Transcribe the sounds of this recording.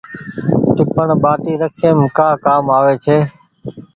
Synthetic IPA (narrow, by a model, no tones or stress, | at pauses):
ʈɪpəɳɓaːʈiːɾəkʰẽːmkaːkaːmaːʋeːt͡ʃʰeː